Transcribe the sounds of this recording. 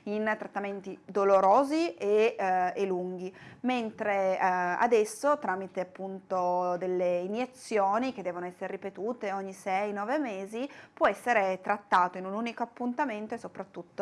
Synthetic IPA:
int̪ɾat̪ːament̪id̪oloɾoːzieelːuŋɡ̟iment̪ɾea̰d̪ɛsːot̪ɾaːmit̪eapːunt̪od̪elːeinjet̪sːjoːnik̟ed̪ɛːvonoɛsːeɾeripet̪uːt̪eoɲːisɛjnɔːvemeːzipwɔɛsːeɾet̪ɾat̪ːaːt̪oinunuːnikoapːunt̪ament̪oesːopɾat̪ːut̪ːo

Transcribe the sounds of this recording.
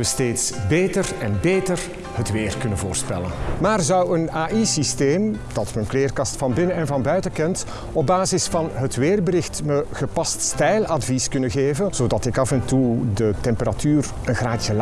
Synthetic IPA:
əsteːtsbeːtərɛnbeːtər | hətʋeːrkɵnənvoːrspɛ̰lə̰nmaːrzʌwənaːʔisisteːmd̥ɑtmənkleːrkɑstfɑnbɪnənɛnvɑnbœɥtəkɛnt | ɔb̚baːzɪsfɑnɦətʋeːrbəɾɪxtməɣəpɑststɛjlɑdviskɵnəɣeːvənz̥oːdɑtɪkɑfɛntudətɛmpəɾatyːr | ənɣraːtjəl

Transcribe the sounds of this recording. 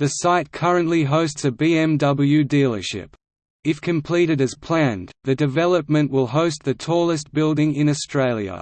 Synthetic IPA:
ðɨsaɪt̚kʰʌɹɨ̃nʔliɦəʊstsɨbiɛ̃mdʌbl̩ˠjʉdilˠə̰˞ʃɪ̰p | ɨfkʰɨ̃mpʰl̥iɾɨɾɨz̥pʰl̥æ̃nðɨdɨvɛlˠəp̚mɨ̃nʔwɪlˠɦəʊst̪̚ðɨtʰɔlˠəstb̥ɪlˠdɪ̃ŋɪ̃nɨstɹ̥eɪlˠjə̰

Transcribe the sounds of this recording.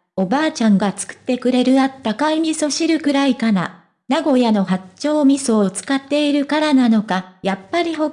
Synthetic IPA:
o̞baːt͡ɕãŋɡat͡sɨ̥kɯ̟̥t̪ːe̞kɯ̟ɾe̞ɾɯ̟at̪ːakaimʲiso̞ɕiɾɯ̟kɯ̟ɾaikana̰ | naɡo̞jano̞ɦat͡ɕo̞ːmʲisoːt͡sɨ̥kat̪ːe̞iɾɯ̟kaɾanano̞kajapːaɾʲiɦo̞

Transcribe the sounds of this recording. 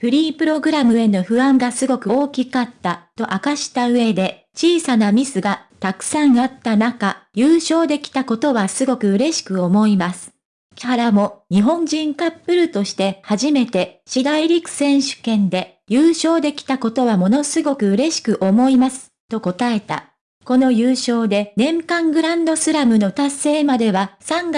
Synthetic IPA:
ɸɯ̟ɾʲiːpɯ̟ɾo̞ɡɯ̟ɾamɯ̟e̞no̞ɸɯ̟βãŋɡasɨɡo̞kɯ̟o̞ːkʲikat̪ːat̪o̞ʔakaɕi̥t̪aɯ̟e̞d̪e̞ | t͡ɕiːsanamʲisɨɡat̪akɯ̟̥sãɰ̃at̪ːanakajʲɯːɕo̞ːd̪e̞kʲi̥t̪ako̞t̪o̞βasɨɡo̞kɯ̟ɯ̟ɾe̞ɕi̥kɯ̟o̞mo̞imasɨ̥ | kkaɾamo̞ɲ̟iɦõ̞ɲ̟d͡ʑĩŋkapːɯ̟ɾɯ̟t̪o̞ɕi̥t̪e̞haʑime̞t̪e̞ɕid̪aiɾʲikɯ̟̥sẽ̞ɰ̃ɕɨ̥kẽ̞nd̪e̞ | jɯːɕo̞ːd̪e̞kʲi̥t̪ako̞t̪o̞βamo̞no̞sɨɡo̞kɯ̟ɯ̟ɾe̞ɕi̥kɯ̟ʔo̞mo̞imasɨ̥t̪o̞ko̞t̪ae̞t̪a̰ | ko̞no̞jɯːɕo̞ːd̪e̞nẽ̞mkãŋɡɯ̟ɾãnd̪o̞sɨɾamɯ̟no̞t̪ase̞ːmad̪e̞βasãŋɡa

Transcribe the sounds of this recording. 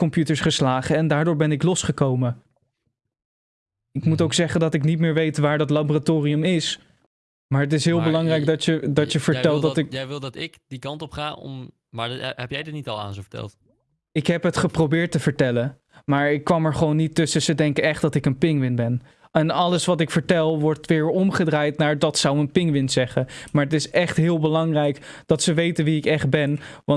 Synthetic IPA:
kɔmpjutəɹsχəslaːχəɛndaːɹdʊːɹbɛnɪklɔsχəkowmə | ɪkmutowksɛχəndɑtɪknit̚mɪːɹʋejtʋaːɹdɑtlaboratoːriəmɪs | maːɹət̬ɪsɦɪːlˠbəlɑŋrɛjk̚dɑədɑtəv̥əɹtɛlˠdɑtɪjʋɪlˠdɑtɪkdikɑntɔpχaːɔ̰m | maːɛpjɛjdənitɑlˠa̰ːnzovə̥tɛ̰lˠt | ɪkɦɛpɦətχəprowbɪːɹtəvəɹtɛlə | maːɹɪkːʋɑmɛɹχəʋownːitːɵsəzədɛŋkəɛχt̚dɑtɪkənpɪŋʋɪnbɛn | ɛnɑləsʋɑtɪkfəɹtɛlˠʋɔɹtʋɪːɹɔmχədraːjtnaːɹdɑtsawənpɪŋʋɪnzɛχəmaːɹətɪsɛχtɦɪːlˠbəlɑŋrɛjkd̥ɑtsəʋejtənʋiɪkɛχd̚bɛnʋɑ

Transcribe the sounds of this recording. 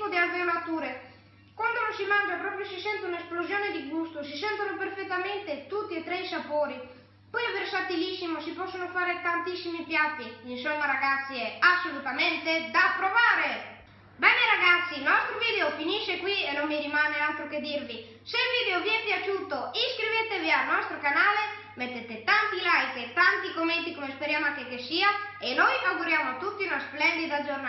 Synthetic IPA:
ʊd̪ialveonat̪uːɾe | kwand̪ononsimand͡ʒapɾɔːpɾjosisɛnt̪eunesplozjoːned̪iɡust̪os̬isɛnt̪anoperfet̪ːament̪et̪ut̪ːiet̪ːɾɛjsapoːɾi | pɔjversat̪ilisːimosipɔsːonofaːɾet̪ant̪isːimipjat̪ːiinsɔmːaɾaɡat̪sːiɛasːolut̪ament̪ed̪apɾovaːɾe | bɛneɾaɡat̪sːinɔst̪ɾovid̪eofiniʃːekwienomːiɾimanealt̪ɾoked̪iɾvi | selvid̪eoviɛpjat͡ʃuːt̪oiskɾivet̪evialnɔst̪ɾokanaːle | met̪ːet̪et̪ant̪ilajket̪ant̪ikomːent̪ikomespeɾjaːmakekːesiːaenɔjmaɡuɾjamoat̪ːut̪ːinasplɛnd̪id̪azorna

